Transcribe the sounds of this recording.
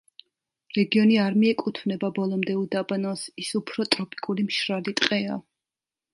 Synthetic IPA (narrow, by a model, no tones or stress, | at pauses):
ɾɛɡiɔniaɾmiɛkʼut̪ʰvnɛbabɔlˠɔmd̪ɛud̪abanɔsisupʰɾɔt̪ʼɾɔpʼi̥kʼulimʃɾalit̪ʼqʼɛa